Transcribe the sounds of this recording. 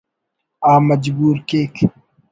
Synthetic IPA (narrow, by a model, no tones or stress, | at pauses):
aːmɐd͡ʒbuːɾkeːk